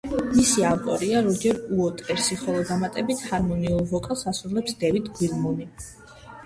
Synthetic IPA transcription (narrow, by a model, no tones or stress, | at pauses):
misiavt̪ʼɔɾiaɾɔd͡ʒɛɾuɔt̪ʼɛɾsiχɔlˠɔd̪amat̪ʼɛbit̪ʰhaɾmɔniulˠvɔkʼalˠsasɾulɛpsd̪ɛvit̪ʰɡwiɾmɔni